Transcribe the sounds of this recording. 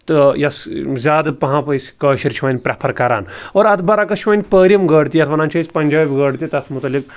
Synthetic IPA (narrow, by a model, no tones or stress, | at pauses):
t̪ɨjɐszʲaːd̪ɨpɐɦãːpɐisʲkəːʃiɾt͡ʃʰiʋɐnʲpɾʲapʰɐɾkɐɾa̰ːnoːɾɐt̪ʰbɐɾakɐt͡ʃʰʋɐnʲpəːɾʲɐmɡəːɽt̪ijɐt̪ʰʋɐnaːnt͡ʃʰɐisʲpɐnʲd͡ʒaːbʲɡɐːɽt̪it̪ɐt̪ʰmut̪ɐlːik̚